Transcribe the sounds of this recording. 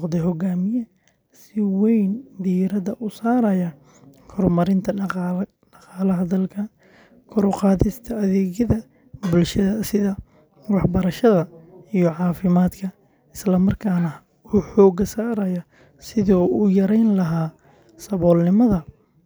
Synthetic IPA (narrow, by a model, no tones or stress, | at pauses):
qd̪ɛɦɔɡaːmɪjɐ | sɪwɛjnd̪iɾɐðɐʔʊsaːɾɐjɐ | kʰɔɾmɐɾɪnt̪ʰɐ | ɖɑqɑːlɐɦɐd̪ɐlkʰɐ | kʰɔɾqɑːðɪst̪ʰɐːðɛːɣjɐðɐ | bʊlʃɐðɐsɪðɐ | wɑħbɐɾɐʃɐðɐijɔʕɑːfɪmaːd̪kʰɐ | ɪslɐmɐrkʰaːnɐ | uːħɔːɡɐsaːɾɐjɐ | sɪðɔːʊjɐɾɛjnlɐɦaː | sɐβɔːlnɪmɐðɐ